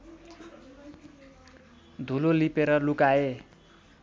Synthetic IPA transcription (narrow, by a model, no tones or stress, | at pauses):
d̪ʱulolipeɾʌlukae